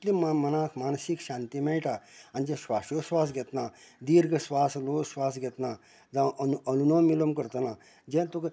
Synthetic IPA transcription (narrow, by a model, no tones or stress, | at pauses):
limmɐnaːkʰmaːnsikʃaːnt̪imeiʈaand͡ʒesʋaːʃjoswaːsɡɛt̪naːd̪iːɾɡəsʋaːslosʋaːsɡɛt̪naː | d͡zanuənunõːmilomkəɾt̪ənaː | d͡ʒẽt̪ok